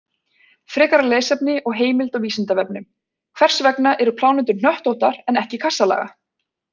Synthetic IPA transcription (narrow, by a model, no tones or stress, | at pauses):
fɾɪːkaɾaleːjsɛpnɪʔɔɣɦeːjmɪlt̪awviːsɪnt̪avɛp̚nɪm | kʰv̥ɛr̥svɛknaʔɛɾʏpʰlaːwnɪnt̪̬ʏɾn̥œht̪owt̪aɾɛnɛhcɪkʰasalɛ̰ːɣa̰